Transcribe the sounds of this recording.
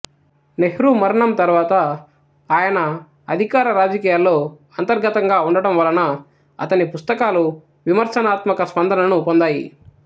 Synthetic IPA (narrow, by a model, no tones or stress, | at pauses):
neɦɾumɐɾɐɳɐmt̪ɐɾʋaːt̪ɐ | aːjɐnɐː | d̪ʱikaːɾɐɾaːd͡ʒɐkiːjaːlːo̞ː | ɐnt̪ɐɾɡɐt̪ɐŋɡaːuɳɖɐɽɐmʋɐlɐnɐ | ɐ̰t̪ɐnipust̪ɐkaːlu | ʋimɐɾsɐnaːt̪mɐkɐspɐnd̪ʱɐnɐnupo̞nd̪aːjḭ